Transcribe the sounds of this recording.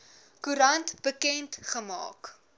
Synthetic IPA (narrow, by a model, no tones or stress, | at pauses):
kuɾɐntb̥əkɛntχəmɑ̰ːk